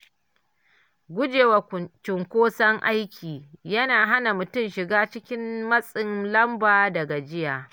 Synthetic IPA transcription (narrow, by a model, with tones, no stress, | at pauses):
ɡʷʊ˦d͡ʒeː˨wa˨kʷt͡ʃɪ˨ŋkʷoː˦sɐ˦ŋʔa̰˦jkʲʰiː˨jɐ˦naː˨ɦa˦na˨mʊ˨tʊ˦mʃɪ˨ɡaː˦t͡ʃɪ˦kʲɪ˦nmɐ˦sʼɪ˨ŋlɐ˦mbaː˨dɐ˨ɡa˨d͡ʒɪ˦jaː˨